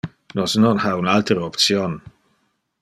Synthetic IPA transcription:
nɔsnɔnhaunalt̪əɾəɔpt̪sjon

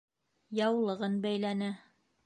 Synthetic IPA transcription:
jɑwlˠɤ̆ʁɤnbæjlænɘ

